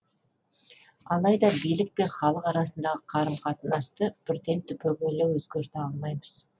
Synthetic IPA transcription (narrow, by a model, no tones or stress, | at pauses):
ɑlˠɑjd̪ɑbijlɪk̚pe̞ɴχɑlˠəqɑɾɑsənd̪ɑʁəqʰɑɾəmqʰɑt̪ənɑst̪əbʏɾt̪e̞nt̪ʰʏpʲʰɵɡʲelɪwɵzɡʲeɾt̪ɪɑlˠmɑjməz̥